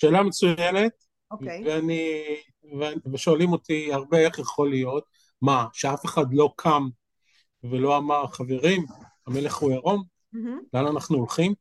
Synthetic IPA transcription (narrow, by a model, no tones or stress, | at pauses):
ʃe̞ːlamet͡sujene̞t̪̚ | oveani | veaveʃo̞alimo̞t̪iaʁbeeχjaχo̞lijo̞t̪̚ | maʃeafe̞χad̪lo̞kʰam | velo̞amaʁχaveʁim | ame̞le̞χhueʁo̞m | leananaχnuolχim